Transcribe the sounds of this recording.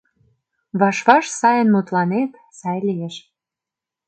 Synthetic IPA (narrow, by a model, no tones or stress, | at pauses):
βɑʃβɑʃsɑjə̆nmut̪lɑnet̪ | sɑjlijeʃ